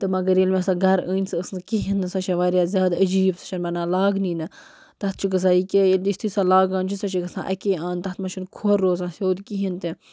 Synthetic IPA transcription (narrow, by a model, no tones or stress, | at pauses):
t̪ɨmɐɡɐɾjelmʲẽsãɡɐɾəːnʲsɨəsnkiɦinːɨsɐʃeʋaːɾjaːzʲjaːd̪əd͡ʒiːbsɐ̥t͡ʃʰɐnmɐnãːlaːɡniːnɨ | t̪ɐt̪̚ʰt͡ʃʰiɡɐs̬aːikʲejelʲist̪ʰisaːlaːɡãːnt͡ʃʰisɐt͡ʃʰiɡɐsã̰ːʔɐ̰keːãːnt̪ɐt̪mɐt͡ʃʰunkʰoɾːoːzãːsʲoːd̪kiɦint̪e